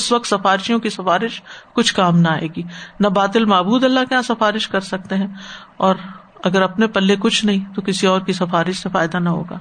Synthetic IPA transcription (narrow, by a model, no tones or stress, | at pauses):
ɪsʋɐk̚t̪sɐfaːɾɪʃijõkisɐfaːɾɪʃkʊt͡ʃʰkaːmnaaːḛːɡiːnɐbaːt̪ɪlmaːbuːd̪ɐlːakeãsɐfaːɾɪʃkɐɾsɐk̚t̪eɦɛ̃ːɔːɾ | ɐɡəɾɐpnepɐlːekʊt͡ʃʰnɐɦĩt̪okɪsiɔːɾkisɐfaːɾɪʃsefaːɪd̪anɐɦo̰ːɡa̰ː